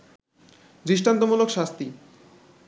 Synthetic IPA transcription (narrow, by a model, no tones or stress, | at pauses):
dɾiʃʈant̪omulokʃast̪i